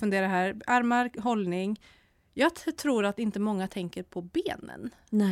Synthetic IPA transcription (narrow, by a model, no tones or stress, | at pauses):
fɵnd̪eːɾaɦæːɾaɾmaɾɦɔlnɪŋ | jɑːɡt̪ʰɾuːɾat̪ɪnt̪əmɔŋːat̪ʰɛŋkəɾpʰɔbeːnə̰n